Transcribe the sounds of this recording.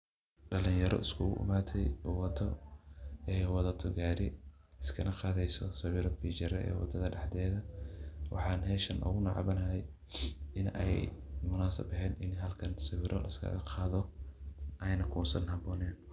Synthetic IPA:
ɖɐlɪjɐɾʔɔ̰ʔɪskʰʊɣʊ̰ʔɪ̰maːt̪ʰɛjʊwɐd̪ɔ̰ | ɛːwɑðɐt̪ʰɔɡaːɾɪɪskʰɐnʔɐqɑːðɛjsɔsɐwɪɾɔbit͡ʃɐɾɛɛ̰ːwɑ̰d̪ɐðɐɖɑħd̪ɛːðɐwɑ̰ħɑːnɦɛːʃɐnʔɔ̰ɣʊnɐʕɑ̰βɐnɐɦɛj | ɪnɛ̰jmʊnaːsɐ̰bɐɦɛːnɪnɦɐlkʰɐnsɐwɪɾʔɔlɐskʰɐ̰ɣɐqʰɑːðɔ | ʔɐjnɐkʰuːsɐnhɐbɔːnɛːn

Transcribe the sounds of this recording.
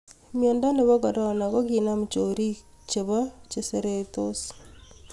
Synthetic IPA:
mjeːndaneβokoɾanakokinamut͡ʃoɾi | t͡ʃeβat͡ʃeseɾetos

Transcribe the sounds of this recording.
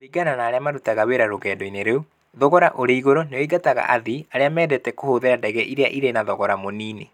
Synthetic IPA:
iɡananaːɾeamaɾutaɣaweɾaɾoɣɛːdɔineɾeu | ðɔɣɔɾaʔoɾeiɣoɾoneoiɡataɣa̰ʔaðiaɾeamɛːdɛtɛkohoðeɾandɛɣɛʔiɾeaʔiɾenaðɔɣɔɾamoniːne

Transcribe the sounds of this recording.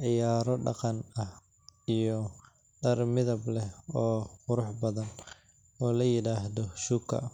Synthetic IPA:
ʕɪjaːɾɔɖɑ̰qɑnɐh | ijɔ | ɖɐrmɪðɐblɛɔːqʊɾʊħbɐðɐn | ʔɔːlɐjɪɽaːɦðɔʃukʰɐ̰

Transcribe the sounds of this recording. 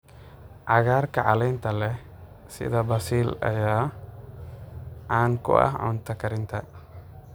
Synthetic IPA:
ʔɐɣaːɾkɐʕalɛnt̪ʰɐlɛ | sɪ̰d̪ɐbɐsiːlɐ̰jaː | ʔaːnkʊ̰ʔɐ̰hʕʊ̰nt̪ʰɐkɐɾɪnt̪ʰɐ

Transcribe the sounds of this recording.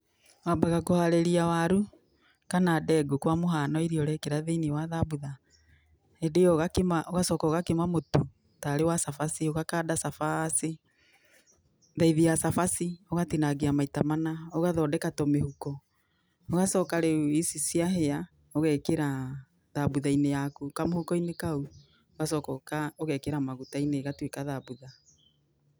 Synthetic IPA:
wabaɣakohaɾeɾiawaɾu | kanadɛɡukwamoɦanɔiɾiɔɾɛkeɾaðeniwaðabuða | edejɔɣakemaʔoɣasɔːkaːɣakemamotu | taɾewasafasioɣakaːdasafasi | ðaiðiasafasioɣatinaɡeamaitamanaoɣaðɔdɛkatɔmehukɔ | oɣasɔːkaɾeuisisiaɦea | oɣɛkeɾa | ðabuðainejakukamohukɔinekau | oɣasɔkɔkaoɣɛkeɾamaɣutaineɣatwekaðabuða

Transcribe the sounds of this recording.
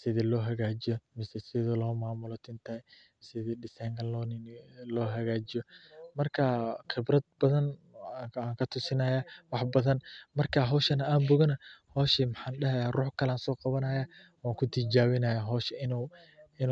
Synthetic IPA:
sɪðilɔːɦɐɣaːd͡ʒɪjɔmɪsɛsɪðɔlɔːmaːmʊlɔt̪ʰɪnt̪ʰɐɛ | sɪðiɖɪsɐjŋɡɐlɔːnɪnlɔːɦɐɣaːd͡ʒɪjɔmɐrkʰɐχɪbrɐd̪̚bɐðɐn | aːŋkʰɐt̪ʰʊsɪnɐjaːwɑħbɐðɐnmɐrkʰaɦɔːʃɐnɐaːmbʊɣɐnɐhɔːʃimħaːnɖɐɦɐjaːrʊːħkʰɐlaːnsɔːqɑβɐnɐjaː | waːkʰʊt̪ʰɪd͡ʒaːwɪnɐjaɦɔːʃɪɪn | ɪn

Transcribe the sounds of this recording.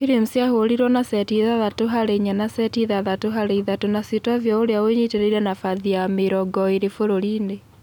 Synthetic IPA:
iɾim̩sjahoɾiɾɔnasɛtiðaðatoɦaɾeɲanasɛtiðaðatoɦaɾeiðatonasitavjɔoɾeaweɲiteɾeiɾɛnafaðiameɾɔɡɔiɾefoɾoɾiːnde

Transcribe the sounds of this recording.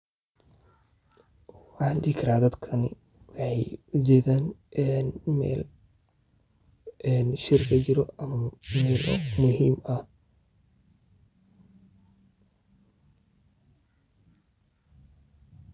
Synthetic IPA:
wɑħɑːnɖiːkʰɐɾaːd̪ɐd̪kʰɐnɪ̰ | wɑħɑjʊd͡ʒɛːðaːnʔɛnmɛ̰ːl | ʔɛnʃɪrkʰɐt͡ʃɪɾɔʔɐmɐmɛːlɔ̰mʊɦiːmɐh

